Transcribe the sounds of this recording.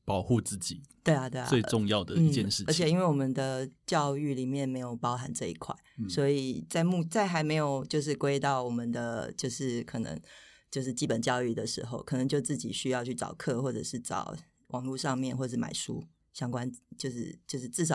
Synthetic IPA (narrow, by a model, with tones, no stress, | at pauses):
pɑ˨˩ʊxu˥˧t͡sɹ̩˥˩t͡ɕi˨˩˦t̪we˥˩ɪa˨t̪we˥˩ɪ̰˧wɪʈ͡ʂʊ˥˧ŋjɑ˥˩ʊd̪ə˨˩n̩˥i˥t͡ɕjɛ˥˧nʂɻ̩˥˩ə˧˥t͡ɕʰjɛ˨˩i˥nwe˥˩ɪwɔ˨˩mə˨˦nd̪ə˧t͡ɕjɑ˥˧ʊy˥˩li˨˩mjɛ˥˩nme˧˥ɪjo˨˩ʊpɑ˥ʊxa˧˥nʈ͡ʂɤ˥˧ḭ˧˥kʰwa̰˥˩ɪswɔ˧˥i˨˩t͡sa˥˧ɪmu˥˧t͡sa˥˩ɪxa˧˥ɪme˧˥ɪjo˨˩ʊt͡ɕjo˥˧ʊʂ̬ɻ̩˥˧kwe˥ɪt̪ɑ˥˩ʊwɔ˨˩mə˨nd̪ə˧t͡ɕjo˥˧ʊʂɻ̩˥˩kʰɤ˨˩nɤ̰˧˥ŋt͡ɕjo˥˧ʊʂ̬ɻ̩˥˩t͡ɕi˥pə˨˩nt͡ɕjɑ˥˧ʊy˥˩d̪ə˩ʂɻ̩̰˧˥xo̰˥˧ʊkʰɤ˨˩nɤ˧˦ŋt͡ɕjo˥˧ʊt͡sɹ̩˥˩t͡ɕḭ˨˩ɕy˥jɑ˥˧ʊt͡ɕʰy˥˩ʈ͡ʂɑ̰˨˩ʊkʰɤ˥˧˨xwɔ˥˩ʈ͡ʂɤ̰˨˩ʂɻ̩˥˩ʈ͡ʂɑ̰˨˩ʊ | wʔɑ˨˩ŋlu˥˧ʂɑ˥˧ŋmjɛ˥˨nxwɔ˥˧ʂ̩˥˩ma̰˨˩ɪʂṵ˥ | ɕjɑ˥ŋkwa˦nt͡ɕjo˥˧ʊʂɻ̩˥˩t͡ɕjo˥˧ʊʂɻ̩˥˧t͡sɹ̩˥˩ʂɑ˨˩